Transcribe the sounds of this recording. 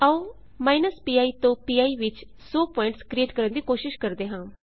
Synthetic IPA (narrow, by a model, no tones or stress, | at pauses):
əũː | maːinəspiːaːiːt̪õːpiːaːiːʋɪt͡ʃ | soːpɔːɪɳʈskɾieːʈkəɾənd̪iːkoːʃɪʃkəɾd̪eːɦãː